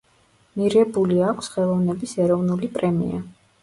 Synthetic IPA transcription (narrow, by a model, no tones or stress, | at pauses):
miɾɛbuliakʷʰsχɛlˠɔvnɛbisɛɾɔvnulipʼɾɛmḭa̰